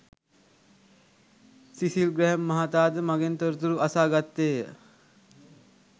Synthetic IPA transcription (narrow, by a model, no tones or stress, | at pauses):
sisilɡɾɛɦmːəɦat̪ad̪maɡent̪əɾt̪uɾuəsaɡat̪ːe